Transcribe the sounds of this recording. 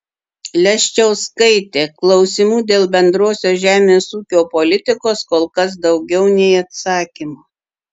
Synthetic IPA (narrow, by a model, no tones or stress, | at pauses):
lʲɛʃʲt͡ʃʲɛʊskɐɪt̪ʲeːklˠɒʊsʲɪmuːd̪ʲeːlˠbʲɛnd̪ɾoːsʲoːʒʲæːmʲeːsuːkʲoːpolʲɪt̪ʲɪkoːskoːlˠkɐs̬d̪ɒʊɡʲɛʊnʲɛɪɐt̪sɑːkʲimoː